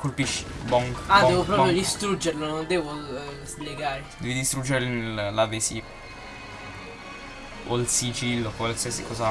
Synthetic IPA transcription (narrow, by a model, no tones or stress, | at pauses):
kolpiʃːi̥ | bɔŋɡad̪ɛvopɾɔpɾjod̪ist̪ɾud͡ʒːeɾlonond̪ɛːvozleɡaːɾed̪ɛvid̪ist̪ɾud͡ʒːeɾnllavesi | o̰lsid͡ʒilːokwalsiasikɔːza